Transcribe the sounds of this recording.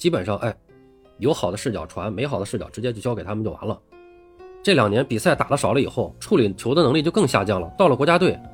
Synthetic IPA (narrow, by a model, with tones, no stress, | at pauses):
t͡ɕi˥pə˨˩nʂɑ˥˩˧ŋʔa˥˩ɪ | jo˧˥ʊxɑ˨˩ʊd̪ə˦ʂɻ̩˥˩t͡ɕjɑ̰˨˩ʊʈ͡ʂʰwa˧˥nme˧˥ɪxɑ˨˩d̪ə˦ʂɻ̩˥˩t͡ɕjɑ˨˩ʈ͡ʂɻ̩˧˥t͡ɕjɛ˥t͡ɕjo˥˩ʊɕjke˨˩ɪt̪ʰm˧nt͡ɕjo˥˩ʊʔa̰˧˥nlə˧ | ʈ͡ʂɤ˥˩ljɑ˨˩ŋnjɛ˧˥npi˨˩sa˥˩ɪt̪a˨˩d̪ə˦ʂɑ˨˩ʊlə˦i˨˩xo˥˩ʊʈ͡ʂʰu˥˩li˨˩t͡ɕʰjo˧˥ʊd̪ə˧nɤ˧˥ŋli˥˧t͡ɕo˥˧ʊkɤ˥˧ŋɕja˥˧t͡ɕjɑ˥˩ŋlə̰˩t̪ɑ˥˩ʊlə˩kwɔ˧˥t͡ɕja˥t̪we˥˩ɪ